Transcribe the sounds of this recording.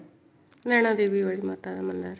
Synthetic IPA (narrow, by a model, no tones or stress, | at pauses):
nɛɳɐd̪eːʋiʋɐɭimɐt̪ad̪ɐmɐnːaɾ